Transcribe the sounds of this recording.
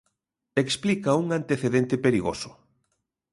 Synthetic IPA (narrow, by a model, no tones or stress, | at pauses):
eksplikɐuŋant̪eθeðent̪epeɾiɣo̰sʊ̥